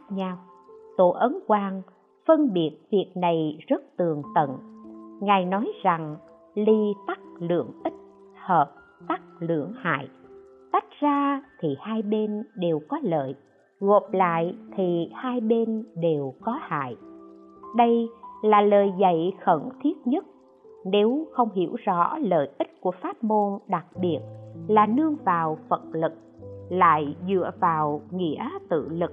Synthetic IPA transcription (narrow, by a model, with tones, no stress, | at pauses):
k̚ɲa˧w | t̪o̰˧˨˩ʔə˨˦nkwaː˧ŋ | fə˧nɓi˨˩ət̚vi˨˩ət̚na˨˩jzə˦˥t̚t̪ɨ˨˩əŋt̪ə̰˧˨nŋaː˨˩jnɔ˨˦jza˨˩ŋ | li˧t̪a˦˥k̚lɨ̰˧˩əŋʔï˦˥t̚ | həː˨˩p̚ | t̪a˦˥k̚lɨ̰˧˩əŋha̰ː˧˨j | t̪a˦˥jk̟̚zaː˧t̪ʰi˨˩haː˧jɓe˧nɗe˨˩wkɔ˨˦lə̰ː˧˨j | ɣo˨˩p̚la̰ː˧˨jt̪ʰi˨˩haː˧jɓe˧nɗe˨˩wkɔ˨˦ha̰ː˧˨j | ɗə˧jlaː˨˩ləː˨˩jzə̰˧˨jxə˧˩nt̪ʰi˦˥ət̚ɲə˦˥t̚ | ne˨˦wxə˧wŋ͡mɦḭ˧˩əwzɔ̰˧˥lə̰ː˧˨jʔi˦˥t̚ku˧˩əfaː˦˥t̚mo˧nɗa˨˩k̚ɓi˨˩ət̚laː˨˩nɨ˧əŋvaː˨˩wfə˨˩t̚lɨ˨˩k̚la̰ː˧˨jzɨ̰˧˨əvaː˨˩wŋḭ˧˥ət̪ɨ̰˧˨lɨ˨˩k̚